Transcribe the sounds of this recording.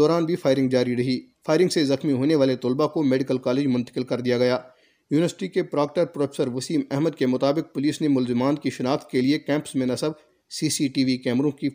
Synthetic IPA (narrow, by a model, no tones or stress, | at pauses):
ɔːɾaːnbʱifʰaːɪɾɪ̃ŋɡd͡ʒaːɾiɾɐɦiːfʰaːɪɾɪ̃ŋɡsezɐxmiɦoːneʋaːlet̪ʊːlbakomeːɖɪkəlkaːleːd͡ʒmʊ̃nt̪əqɪlkɐɾd̪ijaɡɐjaː | juːnɪʋəɾsɪʈikepɾaːk̚ʈəɾpɾoːfʰeːsəɾʋɐsiːmɛɦməd̪̚kemʊt̪aːbɪq̚pʊliːsnemʊlzɪmaːnkiʃɐnaːxt̪̚keliekɛ̃ːmpsmẽnɐsəb | siːsiʈiːʋikɛːmɾõki